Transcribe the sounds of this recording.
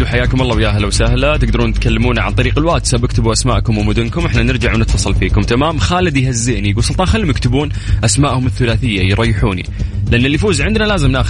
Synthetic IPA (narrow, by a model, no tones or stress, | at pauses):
uħajːaːkʊmʔɑlˤːɑːwjaɦlawsahlat̪ɪɡd̪ɑɾˤuːnɪt̪kalːɪmuːnaʕa̰nt̪ˤɑɾiːqɪlwaːd̪sabɪkt̪ɪbuʔasma̰ːʔkʊmwɪmʊd̪ʊnkʊmʔɪħnanɪɾd͡ʒaʕwnɪt̪fɑsˤɑlfiːkʊmt̪amaːmxaːlɪd̪jhazːɪʔnijɡuːlsˤʊlt̪ˤɑːnxalːimɪkt̪ɪbuːn | ʔasmaːʔhʊmɪθːʊlaːθɪjːajɾˤɑjːɪħuːnḭlɪʔanːɪlːifuːzʕɪnd̪nalaːzɪmnaːx